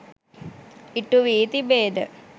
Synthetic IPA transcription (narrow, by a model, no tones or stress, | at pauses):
iʈːuʋiːt̪ibeːd̪ə̰